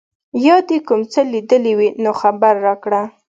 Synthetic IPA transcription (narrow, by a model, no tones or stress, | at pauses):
jɑd̪ekumt͡səlid̪əliwinoxabaɾːɑkɽa